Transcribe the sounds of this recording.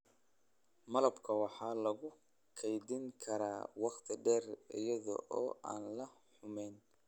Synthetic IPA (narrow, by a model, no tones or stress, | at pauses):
mɐlɐbkʰɐwɑħɑːlɐɣʊ | kʰɛjdɪŋkʰɐɾaːwɑqt̪ʰɪɖɛːrɪ̰jɐðɔ̰ʔɔːʔa̰ːnlɐ | ħʊmɛːn